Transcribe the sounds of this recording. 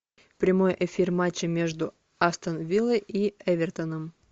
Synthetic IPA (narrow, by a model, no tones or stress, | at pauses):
pɾʲɪmo̞jʔɪfʲirmat͡ɕːɪmʲe̞ʐd̪ʊ | ast̪ənvʲilˠəjiɛvʲɪrt̪ənəm